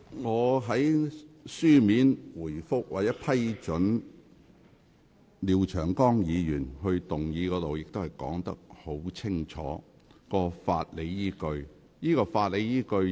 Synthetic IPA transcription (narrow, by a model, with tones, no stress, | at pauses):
ŋɔː˨˧ɦɐ˨˥jsyː˥miː˨˥nwuː˨˩jfʊ˥k̚waː˨t̚t͡sɛː˨˥pʰɐ˥jt͡ʃɵ˨˥n | liː˨˧wt͡ʃʰœː˨˩ŋkɔː˥ŋjiː˨˧jyː˨˩nɦɵ˧ɥt̪ʊ˨ŋjiː˨˧kɔː˨˥t̪o˨wjɪ˨k̚t̪o˥whɐ˨˩jkɔ̰ː˨˥ŋt̪ɐ̰˥k̚ho˨˥wt͡sʰɪ˥ŋt͡ʃʰɔ̰ː˨˧˥ | kɔː˧fa̰ː˧t̚le˨˧jjiː˥kɵ˧ɥ | jiː˥kɔː˧faː˧t̚le˨˧jjiː˥kɵ˧ɥ